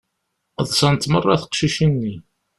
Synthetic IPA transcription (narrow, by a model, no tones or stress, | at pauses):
ðˤsɑnt̪mərˤːɑθə̥qʃiʃinːi